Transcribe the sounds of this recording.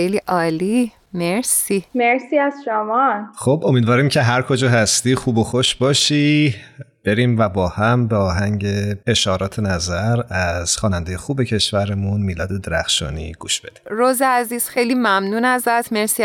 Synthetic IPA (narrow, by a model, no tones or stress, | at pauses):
ejliːʔɒːli | meɾsimeɾsiːæzʃomɒnxobomiːd̪vɒːɾimcʰe̞ɦæɾkʰod͡ʒɒːɦæst̪iːxuːbo̞xoʃbɒːʃi | b̥e̞ɾiːmvæbɒːhæmbeɒːɦæŋɟe̞e̞ʃhɒːɾɒːt̪ʰe̞næzæɾæz̥xɒːnænd̪ejexuːbecʰe̞ʃvæɾemunmiːlɒːd̪e̞d̪e̞ɾæ̰xʃɒ̰ːnḭɡ̥uːʃb̥e̞d̪iɾoːzeæziːz̥xe̞jliːmæmnuːnæzæt̪ʰmeɾsiː